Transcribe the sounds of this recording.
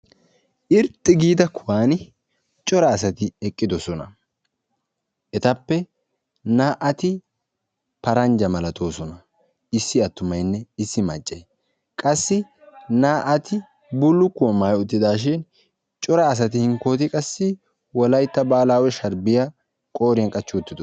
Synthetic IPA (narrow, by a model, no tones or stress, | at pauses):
ʔɪɾt̪ʼːɪɡiːd̪ɐkʰʊwaːnɪ | t͡ʃʼɔɾɐːsɐt̪ɪɛkʼːɪd̪ɔsɔnɐ̰ | ʔɛt̪ɐpːɛ | naːʔɐt̪ɪ | pɐɾɐnd͡ʒɐmɐlɐt̪o̞ːsɔnɐ | ɪsːɪɐt̪ːʊmɐjnːɛɪsːɪmɐ̰t͡ʃʼːɛj | kʼɐsːɪ | naːʔɐt̪ɪ | bʊlːʊkːʊwɔmaːjʊt̪ːɪd̪aːʃ̬ɪn | t͡ʃʼɔɾɐːs̬ɐt̪ɪhɪŋko̞ːt̪ɪkʼɐsːɪ | wɔlɐjt̪ːɐbaːlaːwɛʃɐɾbɪjɐ | kʼo̞ːɾɪjɐnkʼɐt͡ʃːʊʊt̪ːɪd̪ɔ